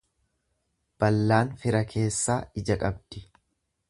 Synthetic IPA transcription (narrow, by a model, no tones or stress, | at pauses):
b̥ɐlːaːnfɪɾɐkʰe̞ːsːaːɪd͡ʒɐkʼɐbd̪̥ɪ